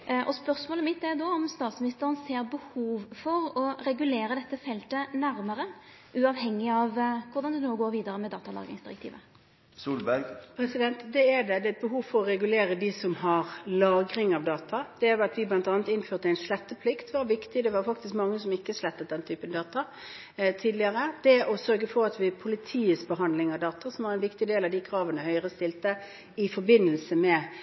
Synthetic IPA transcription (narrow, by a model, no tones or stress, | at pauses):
ʔɔspœɾsmoːləmɪt̪ːɛɾd̪oːɔmst̪ɑːt̪smɪnɪst̪əɾənseːɾbəhuːʋfɔɾɔɾɛɡʉleːɾəd̪ɛt̪ːəfɛlt̪ənæɾməɾə | ʔʉɑʋhɛŋːɪɑʋkʰʊɾd̪ɑnd̪ɛnoːɡoːɾʋiːd̪əɾəmɛd̪ɑ̰ːt̪ɑlɑ̰ːɡɾɪ̰ŋsd̪ɪɾəkt̪ʰḭːʋə̰ | suːlbæɡpʰɾɛsɪd̪ɛnt̪d̪ɛæd̪ɛd̪ɛɛt̪̚bəɦuːʋfɔɾɔɾɛɡʉleːɾəd̪isɔmhɑɾlɑːɡɾɪŋɑʋd̪ɑːt̪ʰɑd̪̥ɛæɾɑt̪ʋɪblɑnt̪ɑːnət̪ɪnføːʁt̪əæɪnʂlɛt̪ːəpʰlɪkt̪ʋɑɾʋɪkt̪ɪd̪ɛʋɑɾfɑkt̪ɪskmɑŋːəsɔmɪkːəʂlɛt̪ːət̪̚d̪ɛnt̪ʰyːpənd̪ɑːt̪ɑ | t̪ʰiːd̪lɪəɾəd̪̥ɛʔɔsœɾɡəfɔɾɑt̪ʋɪpʰʊlɪt̪ʰiːəsbəɦɑnd̪lɪŋɑʋd̪ɑːt̪ɑsɔmʋɑɾɛɪnʋɪkt̪ɪd̪eːlɑʋd̪ɪkʰɾɑːʋənəhœʏʁəst̪ɪlt̪ə | ɪfɔɾbɪnːəlsəmɛ